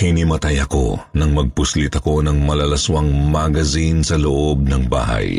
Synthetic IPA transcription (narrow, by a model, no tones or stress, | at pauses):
hinimɐt̪ajɐko̞̰nɐŋmɐɡ̚pʊslit̪ɐko̞nɐŋmɐlɐlɐswɐŋmaɡɐzinsɐloʔo̞b̚nɐŋba̰ːhɐ̰j